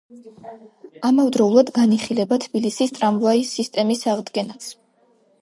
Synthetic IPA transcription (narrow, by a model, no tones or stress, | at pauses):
amavd̪ɾɔulˠad̪ɡaniχilɛbat̪ʰbilisist̪ʼɾamvaisist̪ʼɛmisaʁd̪ɡɛnas